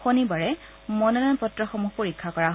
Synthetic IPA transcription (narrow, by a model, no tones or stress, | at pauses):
xonibaɹɛ | mɔnɔnanpɔtɹɔxɔmuxpoɹikʰːakɔɹaɦ